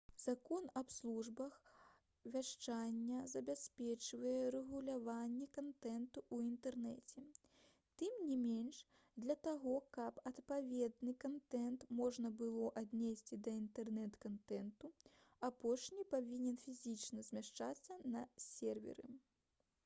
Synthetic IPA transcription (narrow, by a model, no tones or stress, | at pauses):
z̥akɔnapslˠuʐbɐx | vʲaʂt͡ʂanʲːɐzɐbʲasʲpʲɛt͡ʂvɐjɛɾɛɣulʲavanʲːɛkant̪ɛnt̪uuint̪ɛrnɛt͡sʲɛ | t̪ɨmnʲimʲenʂ | d̪lʲɐt̪aɣɔkɐpɐt̪pavʲɛd̪nɨkant̪ɛnt̪mɔʐnɐbɨlˠɔʔad̪ʲnʲesʲt͡sʲid̪ɐint̪ɛrnɛt̪kant̪ɛnt̪uapɔʂnʲipavʲinʲɛnfʲizʲit͡ʂnɐzʲmʲaʂt͡ʂat̪sːɐnɐsʲɛrvʲɛ̰ɾɨ̰